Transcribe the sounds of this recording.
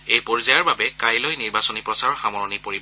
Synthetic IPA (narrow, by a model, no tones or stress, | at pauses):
ejpɔɹzajaɹbabɛkajlɔjniɹbasɔnipɹɔsaɹɔxamɔɹɔnipoɹi